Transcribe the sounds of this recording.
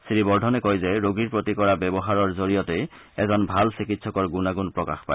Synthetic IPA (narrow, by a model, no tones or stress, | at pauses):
sɹibɔɹdʱɔnɛkɔjzɛɹoɡiɹpɹotikɔɹabɛbɔɦaɹɔɹzoɹijɔtej | ɛzɔnbʱalsikitsɔkɔɹɡunaɡunpɹɔka̰xpa̰j